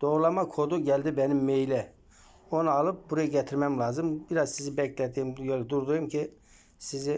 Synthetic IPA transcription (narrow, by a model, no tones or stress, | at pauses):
d̪̥o̞ɣɾlˠamakʰo̞d̪uɟɛlʲd̪ibɛnimːejlʲɛ | onualˠɯp̚buɾajɯɟɛt̪ʰiɾmɛmlʲˠaːzɯmbiɾazsizibɛclʲɛd̪iːmjølʲd̪uɾd̪ujumcʰi | sizɪ